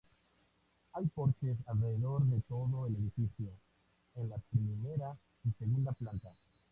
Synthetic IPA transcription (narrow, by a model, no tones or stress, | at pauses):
ajpoɾkes̬aredo̞ɾd̪e̞to̞zo̞ene̞d̪ifit͡sio̞ | enlapɾime̞ɾa | ise̞ɡundaplanta